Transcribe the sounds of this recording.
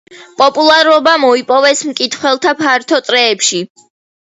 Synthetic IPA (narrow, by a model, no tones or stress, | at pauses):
pʼɔpʼulˠaɾɔbamɔipʼɔvɛsmkʼit̪ʰχwɛlˠt̪ʰapʰaɾt̪ʰɔt̪ʼɾɛːpʃi